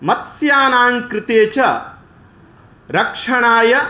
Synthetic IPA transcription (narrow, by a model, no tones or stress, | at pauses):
mɐt̪sjaːnaːŋkɾɪt̪eːt͡ʃɐ | ɾɐkʂɐɳaːjɐ